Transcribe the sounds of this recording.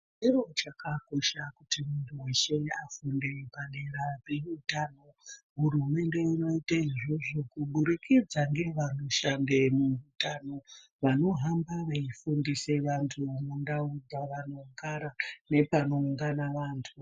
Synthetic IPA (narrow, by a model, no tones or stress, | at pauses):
iro̞t͡ʃakako̞ʃakutimuntʰuweʃeafunde̞paneɾad͡zeutaːno̞ | ɦurume̞nde̞ino̞itaiʐoʐokuɓuɾikid͡zaŋɡe̞ʋano̞ʃandemuutano̞ | ʋano̞ɦambaʋaifundise̞ʋantʰuʋano̞ndaud͡zaʋano̞ŋɡaɾane̞pano̞uŋɡanaʋaːntʰu